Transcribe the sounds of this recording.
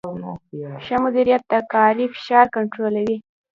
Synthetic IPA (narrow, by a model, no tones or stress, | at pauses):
ʃəmʊd̪iɾijat̪̚d̪akɑɾifɪ̥ʃɑɾkaɳʈɾolawi